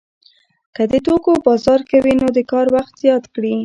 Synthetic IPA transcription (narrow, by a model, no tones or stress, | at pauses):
kəd̪əʈokobɑzɑɾkawinod̪əkɑɾwaxt̪z̥jɑt̪kɽi